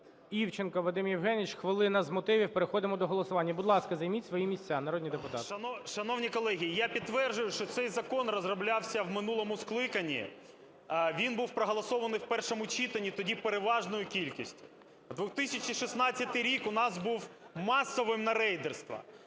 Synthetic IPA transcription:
iwt͡ʃɪnkɐʋˠɐd̪ɪmjiwɦɛnʲit͡ʃxʋɪlˠɪnɐzmɔt̪ɪʋʲiwpeɾexɔd̪ɪmɔd̪ɔɦɔlˠɔsʊʋɑnʲːɐbʊd̪lˠɑskɐzɐjmʲitʲsʋɔjimʲisʲt͡sʲːanɐɾod̪ʲnʲid̪epʊt̪ɑt̪ɐnʃɐnɔwnʲikɔlˠɛɦʲijijapʲid̪̚t̪ːʋɛrd͡ʒʊjʊʃt͡ʃɔt̪sɛjzɐkɔnrɔzrɔblʲɑwsʲɐwmɪnulˠɔmʊsklˠɪkɐnʲḭ | ʋʲinbuwpɾɔɦɔlˠɐsɔʋɐnɪjwpɛrʃɔmʊt͡ʃʲit̪ɐnʲːit̪ɔdʲipeɾeʋɑʒnɔjʊkʲilʲkʲisʲtʲʊ̥ | d̪ʋʊt̪ɪsʲɐt͡ʃiʃisnɑtt͡sʲːɐt̪ɪjɾʲikʊnɑzbuw | mɑsɔʋɪmnɐɾɛjd̪erst̪ʋɐ̰

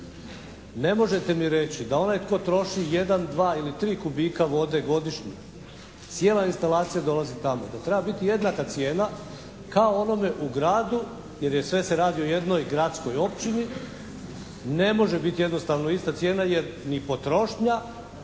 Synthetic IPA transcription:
ne̞mo̞ʒe̞t̪e̞miɾe̞t͡ɕid̪ao̞najt̪ko̞ːt̪ɾo̞ʃije̞d̪and̪ʋaːilit̪ɾiːkubiːkaʋo̞d̪e̞ɡo̞d̪iʃɲi | t̪sje̞ːlˠainst̪alaːt̪sijad̪o̞lazit̪amo̞d̪at̪ɾe̞babit̪ije̞d̪nakat̪sje̞ːna | kaoo̞no̞me̞ʔuɡɾaːd̪u | je̞ɾje̞sʋe̞seɾaːd̪io̞je̞d̪no̞jɡɾat̪sko̞jo̞pt͡ɕini | ne̞mo̞ʒe̞bit̪ije̞d̪no̞st̪aʋnoist̪at̪sʲjeːnaje̞ɾ | nipo̞t̪ɾo̞ʃɲa

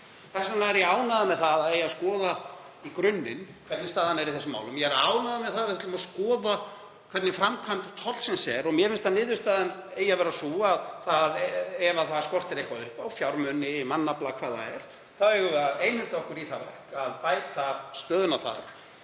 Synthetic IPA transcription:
θɛ̥sanaɛɾjɛaːwnaðamɛðθaðaðɛjaðskɔːða | ikɾʏnːɪnkʰvɛɾt̪nɪst̪aːðanɛɾiθɛsːʏmːa̰wlʏmjɛɛɾaːwnaðamɛðθaðavɪʏt̪ʏmaskɔːða | kʰvɛɾt̪nɪfɾamkʰamt̪t̪ʰɔt̪lsɛnsɛɾɔɣmjɛfɪnst̪ʰanɪːðʏst̪aːðanejavɛːɾasuːaːðθaðɛvaθaskɔr̥t̪ɪɾejhkvaðʏhpawfjawɾmʏnɪːmanːaplakʰv̥aːðθa̰ɛɾ̥ | θaɛɣʏvɛaeːjnhʏnt̪ɔhkʏɾiθavɛ̰hkaðpaːjt̪ast̪œːðʏnawθa̰ð

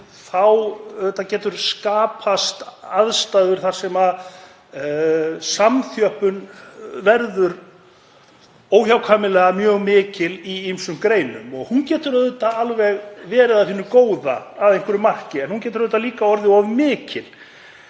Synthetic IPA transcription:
θawðɛt̪ːacɛːt̪ʏɾ̥skaːpʰast̪aðst̪aðʏɾ̥θaɾ̥sɛma | samθjœhpʏnvɛɾðʏɾ | oːwçawkʰaːmɪlɛːɣamjœːɣmɪːcɪliimsʏmkɾeːjnʏmɔɣhuncɛːt̪ʏɾaðʏt̪aalvɛɣvɛːɾɪðaðhɪːnːʏkoːwða̰ːðejŋkʰʏɾʏmar̥cɪɛnhunc̬ɛːt̪ʏɾaðʏt̪aliːkaɔɾðɪɔvmɪːcɪl̥

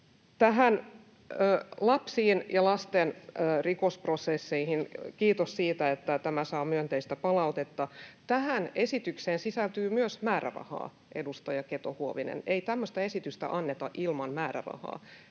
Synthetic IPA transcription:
t̪æɦænː | lɑpsiːnjɑlɑst̪enːrikosprosesːeihinkiːt̪ossiːt̪æet̪ːæt̪æmæsɑːmyønt̪eist̪æpɑlɑut̪et̪ːɑt̪æhæne̞sit̪ykseːnsisælt̪yːmyøsmæːɾæ̰rɑ̰hɑ̰ː | ʔedust̪ɑjɑket̪ohuoʋinḛneit̪æmːøst̪ɑesit̪yst̪æ̰ʔɑnːet̪ɑʔilmɑnmæːɾæ̰rɑ̰hɑ̰ː

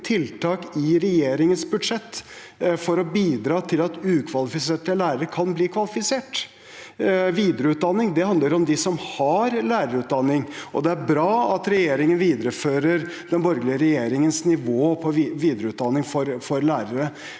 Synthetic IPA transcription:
t̪ʰɪlt̪ʰɑːkɪɾɛjeːɾɪŋənsbʉd̪ʂɛt̪ː | fɔɾɔbiːd̪ɾɑːt̪ʰɪlɑt̪ʉːkʰʋɑlɪfɪseːʈəlæːɾəɾəkʰɑnbliːkʰʋɑlɪfɪseːʈ | ʋiːd̪əɾəʉːt̪̚d̪ɑnːɪŋd̪ɛhɑnd̪ləɾɔmd̪ɪsɔmhɑɾlæːɾəɾʉːt̪̚d̪ɑnːɪŋʔɔ̰d̪ɛæɾbɾɑːɑt̪ɾɛjeːɾɪŋənʋiːd̪əɾəføːɾəɾ | d̪ɛnbɔɾɡlɪəɾɛjeːɾɪŋənsnɪʋoːpʰɔʋiːd̪ɾəʉːt̪̚d̪ɑnːɪŋfɔɾfɔɾlæːɾəɾə

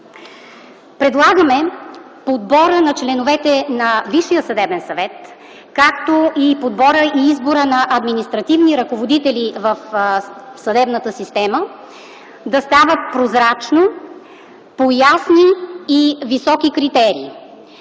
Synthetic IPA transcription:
pɾɛd̪lˠaɡəmɛ | pod̪̚bɔɾənɐt͡ʃlɛnovɛt̪ɛnɐviʃːijəsɐd̪ɛbɛnsɐvɛt̪ | kakt̪oipod̪bɔɾəiizboɾənɐʔɐd̪minist̪ɾɐt̪ivniɾɐkovod̪it̪ɛlivəf | sɐd̪ɛbnət̪əsist̪ɛmə | d̪ɐst̪avət̪̚pɾozɾat͡ʃno | pojasniː | visɔkikɾit̪ɛɾḭː

